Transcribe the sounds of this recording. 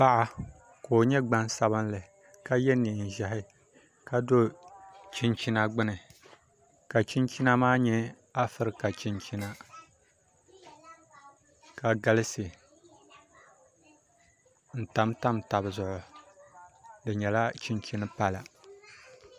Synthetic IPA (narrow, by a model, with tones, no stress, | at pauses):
pa˦ʔa˦ | koː˨ɲɛ˦ɡ͡ba˦nsa˦βɨ˦nlɨ˨ | ka˦jɛ˦ni˨n̩˨ʒa˨ɦɪ˦ | ka˦do˦t͡ʃi˦nt͡ʃi˦na˦ɡ͡bɨ˦nɨ˨ | ka˨t͡ʃi˦nt͡ʃi˦na˦maː˦ɲɛ˦ | a˦fɨ˦ɾɨ˦ka˨t͡ʃi˦nt͡ʃi˦na˦ | ka˨ɡa˦lɨ˦sɨ˨ | n̩˨ta˨mta˦mta˨bɨ˨zʊ˨ʔʊ˨ | dɨ˨ɲɛ˨la˦t͡ʃi˦nt͡ʃi˦nɨ˦pa˦la˨